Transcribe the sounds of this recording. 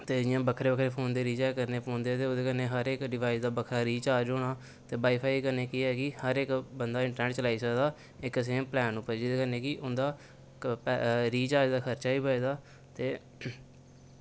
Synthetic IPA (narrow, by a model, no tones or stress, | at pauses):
t̪eːd͡ʒjãːbəkʰɾeːbəkʰɾeːpʰoːnd̪eːɾiːt͡ʃɛːkəɾneːpõːnd̪et̪eːoːd̪eːkənːeːɦəɾekɖɪʋaːisd̪aːbəkʰɾaːɾiːt͡ʃaːd͡ʒoːɽ̃aː | t̪eːbaːiːpʰaːikəɾneːkiɛːkɪhəɾɪkbənd̪aːɪ̃ɳʈəɾnɛːʈt͡ʃəlaːiːsəkd̪aː | ɪkːs̬eːmplɛːnupəɾd͡ʒɪd̪eːkəɾnẽːkɪʔʊnd̪aː | pɾiːt͡ʃaːd͡ʒd̪aːkʰəɾt͡ʃaːiːpəed̪aː | t̪eː